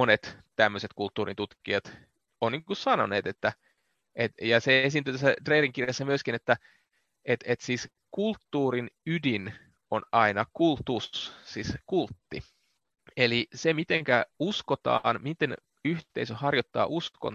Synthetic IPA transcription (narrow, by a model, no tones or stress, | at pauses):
monet̪t̪æmːøset̪kult̪ːuːrḭnt̪ut̪kiɑt̪ | onniːŋkussɑno̰neːt̪et̪ːæ | ʔet̪jɑseesint̪yt̪æsːæt̪reːriŋkirjɑsːæmyøskinet̪ːæ | ʔet̪et̪siːs | kult̪ːuːrinydin | onɑinɑkult̪ussiskult̪ːi | elisemit̪eŋkæuskot̪ɑ̰ːnmit̪en | yht̪eisøhɑrjot̪ːɑ̰ːʔusko̰n